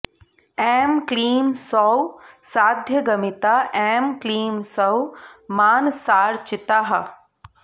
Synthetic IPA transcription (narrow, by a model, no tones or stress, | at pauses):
ɛːmkliːmsɔwsaːd̪ʱjəɡɐmit̪aːʔɛːmkliːmsɐwmaːnsaːɾt͡ʃɪt̪aɦɐ